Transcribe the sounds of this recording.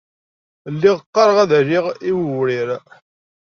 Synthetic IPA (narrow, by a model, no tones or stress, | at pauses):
lːiʁəqːɑɾˤʁæðæʒiʁiwəwɾiɾ